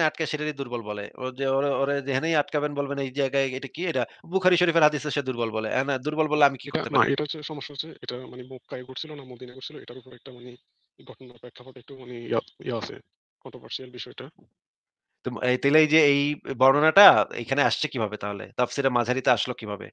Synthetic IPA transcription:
eaʈ̚kaʃeʈaɾid̪uɾbɔlbɔlḛo̰d͡ʑeoɾoɾed͡ʑeɦʰanejaʈ̚kabenbolbenejd͡ʑajɡaeejʈakiejʈabukʰaɾiʃoɾifeɾɦad̪iʃeʃed̪uɾbɔlbɔleʔɛ̰nad̪uɾbɔlbɔleamikikoɾat̪enaa̰ʔeʈaɦot͡ɕʰeʃɔmoʃːaɦot͡ɕʰeeʈamanemokːaeɡoʈʰsʰilonamod̪inaɡoʈsʰiloḛʈaɾupoɾɛk̚ʈamane | ɡʱɔʈonaɾpɛkʰːapaʈek̚ʈumaneaḭaasʰḛ | kɔnɳʈɾovaɾsialbiʃɔeʈa | t̪oet̪elejd͡ʑeejbɔɾnonaʈaḛjkʰaneaʃt͡ɕʰekibʱabet̪aɦolḛt̪apsiɾamad͡ʑʱaɾit̪eaʃlokibʱabḛ

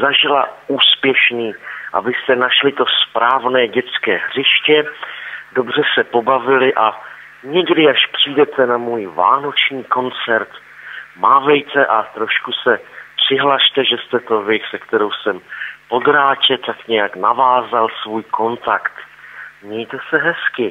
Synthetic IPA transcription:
zaʒɪlauːspjɛʃniːʔa̰bɪst̪ɛnaʃlɪt̪o̞spɾaːvnɛːɟɛt͡skɛːɦr̝ɪʃcɛ | do̞br̝ɛsɛpo̞bavɪlɪʔa | ɲɛɡdɪaʃpr̥iːdɛt̪ɛnamuːjva̰ːno̞t͡ʃɲiːko̞nt͡sɛɾt̪ | maːvɛjt̪ɛʔat̪ɾo̞ʃkusɛpr̝̥ɪɦlaʃt̪ɛʒɛst̪ɛt̪o̞vɪsɛkt̪ɛɾo̞wsɛmpo̞d̪ɾaːt͡ʃɛt̪akɲɛjaknavaːzalsvuːjko̞nt̪akt̪ | mɲɛjt̪ɛsɛɦɛskɪ

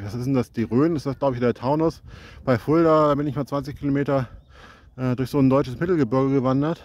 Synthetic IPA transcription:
vasɪsn̩d̥asd̥iːʁøːnɪsd̥asɡlaʊbəçdeːɐtʰaʊnʊsb̥aɪfʊldɐdaːbɪnɪçmaːt͡sv̥ant͡sɪçkʰilomeːtɐ | ʔɛːdʊɐçz̥oːndɔʏt͡ʃəsmɪtl̩ɡəbɪɐɡəɡəvandɐt

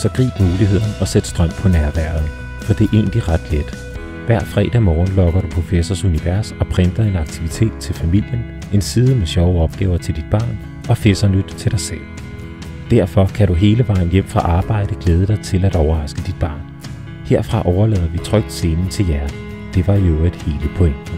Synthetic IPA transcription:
sɒ̽ɡ̥ʁḭːb̥muːliɦe̝ð̰ˠɐnəɒ̽sed̥sd̥ʁɶm̰pʰɒ̽næɐʋæɐ̰ðˠn̩ | fɒ̽d̥e̝ʔe̝̰ːnd̥iʁɑ̈d̥led̥ | ʋæɐ̰d̥fʁɛ̰ːd̥æmɒːn̩lɒ̽ɡ̥ɐɾ̥upʰofesɒsuniʋæɐsɒ̽pʰʁend̥ɐe̝nɑ̈ɡ̥̚t͡sʰiʋit͡sʰe̝̰ːd̥̚t͡sʰe̝lfæmil̰jən | e̝nsiːð̞ˠəmeɕɒʊəɒ̽b̥̚ɡ̥ɛːʊɐt͡sʰe̝ld̥id̥̚b̥ɑ̰̈ːn | ɒ̽fesɐnød̥t͡sʰe̝lɾ̥ɑ̈ɪsel̰ | d̥æɐ̰fɒ̽kʰæɾ̥uɦe̝ːləʋɑ̈ɪ̰n̩jem̰fʁɑ̈ʔɑ̈ːb̥ɑ̈ɪ̰ɾ̥əɡ̥leːð̞ˠəɾ̥ɑ̈ɪt͡sʰe̝læɾ̥ɒʊɐʁɑ̈sɡ̥əd̥id̥̚b̥ɑ̈ːn | he̝ɐ̰fʁɑ̈ʔɒʊɐlɛ̰ðˠɐʋit͡sʰʁœɡ̥̚d̥se̝ːnt͡sʰe̝jæɐd̥ | d̥e̝ʋɑ̈joed̥he̝ːləpʰɔ̽end̥n̩

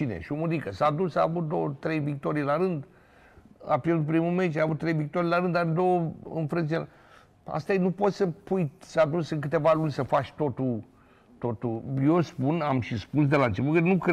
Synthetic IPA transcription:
t͡ʃinḛʃiomud̪ikəsad̪usaːvut̪̚d̪o̞wət̪ɾe̞jvik̚t̪o̞ɾijlaɾɨnd̪ | a̰pjeɾrd̪ut̪pɾimume̞t͡ʃaavut̪ːɾejvik̚t̪o̞ɾijlaɾɨnd̪ad̪o̞wəɨ̰nfɾɨnsiela̰ | a̰st̪aenupo̞t̪səpujsad̪usɨŋk̬ɨt̪e̞valunʲsəfat͡ʃʲt̪o̞t̪ul | t̪o̞t̪ujo̞spunamʃispus̬d̪e̞laɨnt͡ʃe̞put̪kənuk

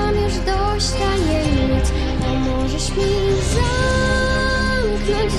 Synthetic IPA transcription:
amʲɛʐd̪ɔ | ɕt̪aɲɛmʲt͡ɕ | ɔmɔʐɛɕmʲi | za | mknɔ̃ɲd͡ʑ

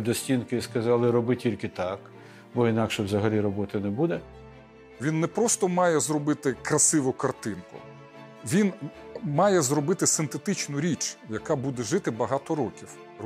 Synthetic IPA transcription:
d̪ɔsʲtʲinkɪiskɐzɑlˠɪɾɔbɪtʲilʲkɪt̪ɑk | bɔinɑkʃɛwzɐɦɐlʲiɾɔbɔt̪ɪnɛbud̪ɛ | ʋʲinːɛpɾɔst̪ɔmɑjɛzrɔbɪt̪ɪkɾɐsɪʋʊkɐrt̪ɪnkʊ̰ | ʋʲinmɑjɛzɾɔbɪt̪ɪsɪnt̪et̪ɪt͡ʃnʊɾʲit͡ʃjɐkɑbud̪ɛʒɪt̪ɪbɐɦɑt̪ɔɾɔkʲiw

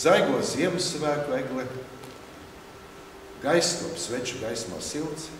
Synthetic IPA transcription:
z̥ajɡuɔzʲiɛmusvæːkuɛɡlˠi | ɡajst̪uɔpsvɛt͡ʃuɡajsma̰ːsilˠt̪s

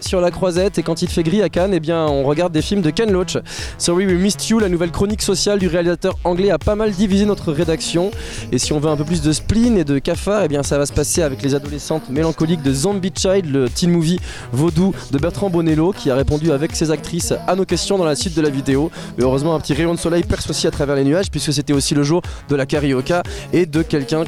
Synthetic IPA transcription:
syʁlakχwazɛt̪ekɑ̃t̪ilfɛɡʁiakanebjɛ̃ɔ̃ʁəɡaʁd̪ːefilmd̪əkanlot͡ʃ | sɔʁiwumist̪julanuvɛlkχɔniksɔsjald̪yʁealizat̪œʁɑ̃ɡlɛapamald̪ivizenɔt̪χəʁed̪aksjɔ̃esiɔ̃vøɛ̃pøplys̬d̪əsplined̪əkafaʁebjɛ̃savasə̥paseavɛklezad̪ɔlesɑ̃t̪melɑ̃kɔlik̚d̪əzɑ̃mbit͡ʃajd̪lət̪ilmuvi | vod̪ud̪əbɛʁt̪χɑ̃bɔnelokʲʰiaʁepɔ̃d̪yavɛksezak̚t̪χisanokʲɛst̪jɔ̃d̪ɑ̃lasɥit̪̚d̪əlavid̪eo | øʁøzmɑ̃ɛ̃pət̪iʁejɔ̃d̪əsɔlɛjpɛʁsosiat̪χavɛʁlenyaʒpɥiskəs̬et̪ɛosiləʒuʁd̪əlakaʁiɔkaed̪əkʲɛlkʲɛ̃

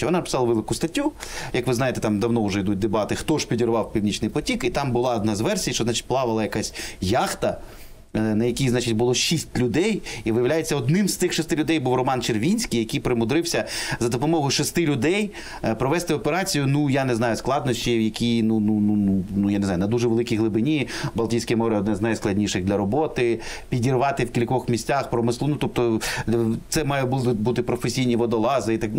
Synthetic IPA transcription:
t͡ʃɛɦɔnɑnɐpɪ̥sɑlˠɐʋɛlˠɪkʊst̪ɐtʲːujɐkʋɪznɑjet̪ɛ̥t̪ɑmd̪ɐwnɔʊʒɛid̪ut̚ʲd̪ebɑt̪ɪxt̪ɔʒpʲidʲirʋɑwpʲiwnʲit͡ʃnɪjpɔtʲikit̪ɑmbʊlˠɑɔd̪nɑzʋɛrsʲijt͡ʃɔznɑt͡ʃɪ̥t̚ʲplˠɑʋɐlˠɐjɐkasʲjɑxt̪ɐ | nɐjɐkʲiznɑt͡ʃɪt̚ʲbʊlˠɔʃʲisʲtʲlʲʊd̪ɛjiʋɪjɐʋwlʲajet͡sʲːɐɔd̪nɪmst̪ɪxʃɔst̪ɪlʲʊd̪ɛjbuwrɔmɑnt͡ʃerʋʲinʲsʲkijɐkijpɾɪmʊd̪ɾɪwsʲɐzɐd̪ɔpɔmɔɦʊjʃɔst̪ɪlʲʊd̪ɛj | pɾɔʋɛst̪ɪɔpeɾɑt͡sʲijʊnujanɪznɑjʊsklˠɑd̪nɔʃʲt͡ʃʲijɐkʲʰinununununujaneznɑjʊnɐd̪uʒɛʋelˠɪkʲijɦlˠɪbɪnʲibɐlˠtʲijsʲkijmɔɾɪɔd̪nɛznajsklˠɐdʲnʲiʃɪɣd̪ʲlʲɐɾɔbɔt̪ɪpʲidʲirʋɑt̪ɪwkʲilʲkɔxmʲisʲtʲaxpɾɔmɪslˠunut̪ɔp̚t̪ɔ | t̪sɛmɑjɛbut̪ɪbut̪ɪpɾɔfesʲijnʲiʋɔd̪ɔlˠɑzɪit̪ɑk

